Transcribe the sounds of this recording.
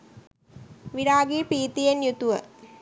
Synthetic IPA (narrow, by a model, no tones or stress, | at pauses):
ʋiɾaːɡiːpiːt̪ijenjut̪uʋə